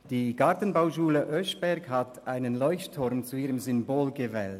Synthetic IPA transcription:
d̥iːɡ̥aɐtən̩baʊʃuːləʔœʃb̥ɛɐɡhatʔaɪnənlɔʏçttʰʊɾmt͡suiːʁəmzʏmboːlɡəvɛ̰ːlt

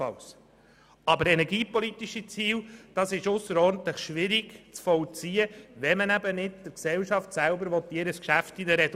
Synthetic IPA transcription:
ɑ̰ls | ɑbəɾɛnɛɡiːpɔlit̪iʃit͡siːld̥ɑsɪʃʊsːəɾɔːɾnt̪ləχʃʋɪɾiɡt͡sfɔlt͡siəʋɛmənæbənɪd̚d̥əɾksɛlʃɑftsælbəɾʋɔt̪diːɾəskʃæftidəɾɛd

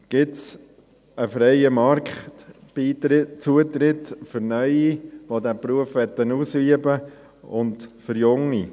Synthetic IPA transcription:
ɡ̥ɪts | əfɾɛɪəmɑɾkχtit͡suət̪ɾɪt̪fʏɾnœʏiʋod̪æpɾuəfʋɛt̪ːənuːsyəbə | ʊndfʏɾjʊŋi

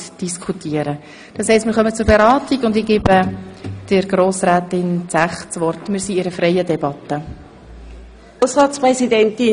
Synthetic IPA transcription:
d̥iskʰutiəɾə | d̥ɑshɛɪstmɪɾχœmət͡sʊɾbɛɾɑːtiɡʊndɪɡ̥eːbəd̥əɾɡɾoːsɾæːtɪnt͡sæχt͡sʋɔrtmɪːɾsiɪɾəfɾɛɪədɛbɑt̪ːə | ʊsʁɑt͡spʁɛsidɛnt̪ɪ

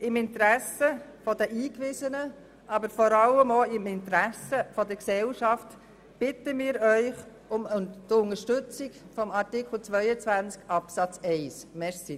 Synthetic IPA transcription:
ɪmɪnt̪ɾæsəfɔdəʔiːkʋɪzənə | ɑbəɾfɔɾɑləmoɪmɪnt̪ɾæsəfɔdəksɛlʃɑft | b̥ɪtəmɪːɾœʏχ | ʊmʊntʊnəʃtʏt͡sɪkfɔmɑɾtɪkl̩t͡sʋœʏət͡sʋænt͡skɑpsɑt͡sɛɪsmɛɾsi

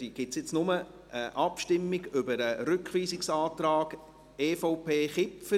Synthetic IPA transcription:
d̥iːɡ̥ɪtsjɪt͡snʊmə | ʔəʔɑpʃtɪmːɪɡʏbəɾəɾʏkχʋiːsɪksɑːt̪ɾɑːɡ | eːfoʊpeːχɪpfə

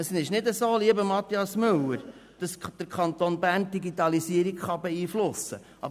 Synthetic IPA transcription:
əsnɪʃnɪdəsoːliəbəmɑt̪ːiɑsmɵləɾ | d̥ɑsd̪̥əɾkʰχɑnt̪oːnbæːnd̥iɡitɑlisiəɾikχɑbɛiːflʊsə̰ | ʔɑ̰b

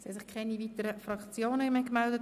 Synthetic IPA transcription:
sɛsɪχkʰɛnivitəɾəfɾɑkt͡sjoːnəmɛkmɛldət

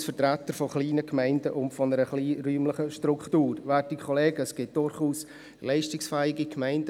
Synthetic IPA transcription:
sfəɾtɾætːəɾfɔχliːnəkmɛɪndəʔʊntfɔnəɾəχliːɾyːmlɪχəʃtɾʊkχtuːɾʋɛtikʰχɔleːɡəsɡ̥ɪt̚d̥ʊɾχuːs | lɛɪʃtɪksfɛɪɡikʰmɛɪnd

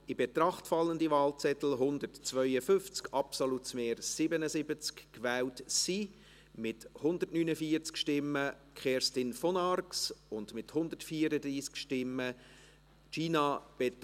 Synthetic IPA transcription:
ɪbet̪ɾɑχtfɑlːəndivɑːlt͡sɛt̪l̩ɦʊnd̪ərtt͡svœʏəfʏft͡skʰɑpsolutsmeːɾsɪbənəsɪbət͡skkʋɛːltsi | mɪthʊnd̪ətnyːnəfiːəɾt͡skʃtɪmːəkχɛɾstɪnfɔnɑrksʊndmɪthʊndətfiːəɾədɾiːskʃtɪmːə | t͡ʃiːnɑb̥et

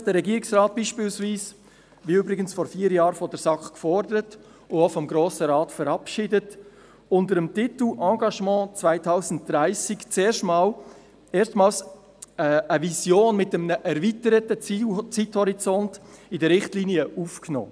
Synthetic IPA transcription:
d̥əɾɛɡiːɾɪksrɑːt̚b̥iːʃpɪːlsviːs | viøbɾɪɡənsfɔɾfiːɾjɑːɾfɔdəɾsɑkχkfɔɾdəɾət | ʊofɔmɡɾoːsəɾɑːtfəɾɑpʃidət | ʊndəɾəmtɪtl̩ɑ̃ɡɑʃmɑ̃ːt͡svaɪtʰaʊsən̩t̚d̥ɾaɪsɪkt͡seːɾʃtmɑːl | eːstmɑːls | əvisjoːnmɪtəmnəʔɛɾvitəɾətət͡st͡sithɔɾit͡sɔntɪdəɾɪχtliːniəʔufknɔ̰ː

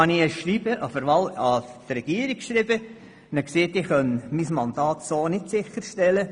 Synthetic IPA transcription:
ɑniəʃrib̥əʔɑfəɾʋɑlɑd̥̪ɾɛɡ̥iːəɾikkʃɾɪbə | nəkseːtɪχœnmismɑnd̥̪ɑːt̪soːnɪtsɪχəɾʃtɛlə

